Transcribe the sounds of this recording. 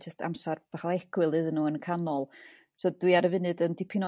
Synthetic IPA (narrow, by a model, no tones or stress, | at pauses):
d͡ʒəstʰa̰msarb̥aχaɛɡ̥wɨlˠɨðənːuːənkʰanɔlˠ | soːdwiaɾəvɨnɨdəndɪpʰɪnɔ